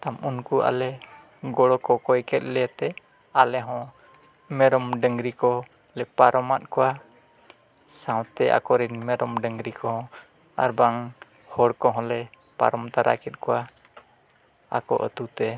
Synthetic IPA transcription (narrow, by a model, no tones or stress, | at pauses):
t̪amunkuʔa̰lɛ | ɡɔɽɔkɔkɔjkɛt̪̚ˀlɛat̪ɛ | alɛɦɔ̃ | mɛɾɔmɖəŋɡɾikɔ | lɛk̚paɾɔmat̪̚kɔwa | sãw̃t̪ɛʔa̰kɔɾinmɛɾɔmɖəŋɡɾikɔhɔ̃ | a̰ɾbaŋ | hɔɽkɔɦɔ̃lɛ | pa̰ɾɔmt̪aɾʔa̰kɛt̪̚kɔwa | a̰kɔ̰ʔə̰t̪ut̪ɛ